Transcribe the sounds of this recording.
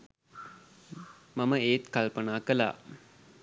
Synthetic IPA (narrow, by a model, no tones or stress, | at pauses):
maməeːt̪kalpənaːkəla̰ː